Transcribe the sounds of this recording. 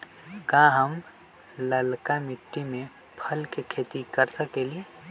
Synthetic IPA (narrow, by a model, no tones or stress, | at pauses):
kaɦəm | ləlkamɪʈːimẽ | pʰəlkekʰeːt̪ikəɾsəkeːlie